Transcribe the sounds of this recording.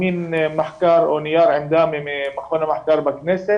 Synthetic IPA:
iːnmaħkɑːɾˤonɪjɑːɾˤʕɪmd̪aːmememaxonamaħkɑːɾˤbaknese

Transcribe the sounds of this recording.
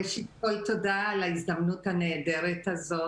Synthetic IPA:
ʃitkolt̪od̪alaizd̪amnut̪aned̪eɾet̪azo

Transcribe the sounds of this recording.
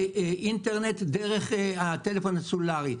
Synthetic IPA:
ʔint̪eʁnet̪deʁeχat̪elefonasulaʁi

